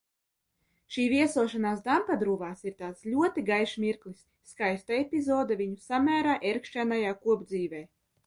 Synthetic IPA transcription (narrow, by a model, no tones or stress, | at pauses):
ʃiːvʲiɛsuɔʃanaːsd̪ampad̪ɾuːvaːsiɾt̪aːt̪slʲuɔt̪iɡajʃmʲiɾklisːkajst̪aepʲizɔːd̪avʲiɲusamʲæːɾaːʔeɾkʃænajaːkuɔbd̪ziːvʲɛj